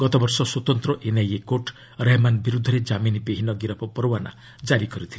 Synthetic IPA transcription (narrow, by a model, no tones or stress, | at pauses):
ɡ̥ɔt̪ɔbɔɾsɔswɔt̪ɔnt̪ɾɔʔenajekoʈ | ɾamanbiɾud̪ʱːɔɾed͡ʒaminibeɦinɔɡiɾɔpɔpɔɾowana̰ | d͡ʒaɾikɔɾit̪ʰil